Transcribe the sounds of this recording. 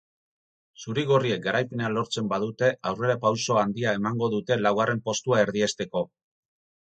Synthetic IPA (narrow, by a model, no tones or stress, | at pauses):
suɾiɣ̞orie̞k̚ɡaɾajpe̞nealo̞ɾt͡se̞mbaðut̪e̞awre̞ɾapawso̞and̪iae̞maŋɡo̞ðut̪e̞lawɣ̞are̞mpo̞st̪uae̞ɾðie̞st̪e̞ko̞